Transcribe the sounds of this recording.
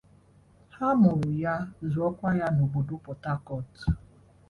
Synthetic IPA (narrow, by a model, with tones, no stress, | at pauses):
ha˦mʊ˨ɾʊ˨ja˦zʊ˨ɔ˦kʷa˦ja˦no˨bo˨do˦pɔ˨ta˦kɔ˦t